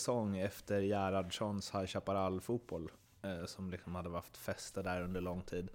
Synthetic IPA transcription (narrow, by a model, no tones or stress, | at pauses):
sɔŋːɛft̪əɾjæːɾad̪ʂɔnshajɕapaɾalfuːt̪̚bɔl | sɔmlɪksɔmhad̪ːəhaft̪fɛst̪əɖæɾɵnd̪əɭɔŋt̪ʰiːd̪